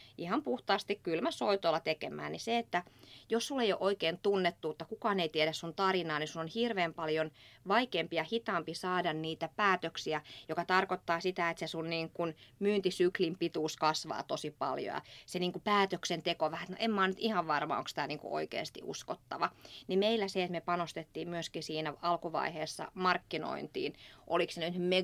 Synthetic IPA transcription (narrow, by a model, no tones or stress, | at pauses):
ʔihɑmpuht̪ɑːst̪ikkylmæsoit̪olːɑt̪ekemæ̰ːnniseet̪ːæjossulːeijo̰ʔoikeːnt̪unːet̪ːut̪ːɑkukɑːneit̪iedæssunt̪ɑrinɑːnisunonhirʋeːmpɑljonʋɑikeːmpiɑhit̪ɑmpisɑːdɑnniːt̪æpæːt̪øksiæjokɑt̪ɑrkot̪ːɑːsit̪æet̪sesunniːŋkunmyːnt̪isyklimpit̪uːskɑsʋɑ̰ːt̪osipɑ̰ljo̰jɑ̰seniːŋkupæːt̪øksent̪ekoʋæhæet̪no̰ʔemmɑːnyt̪ihɑʋʋɑrmɑ̰o̰ŋksĭ̥t̪æniːŋkṵʔo̰ikḛːst̪ḭʔṵskot̪ːɑʋɑnimeilːˑæseet̪mepɑnost̪et̪ːiːmmyøskisiːnæɑlkuʋɑ̰iheːsːɑ̰mɑrkːino̰int̪ḭːnʔo̰liksenyt̪me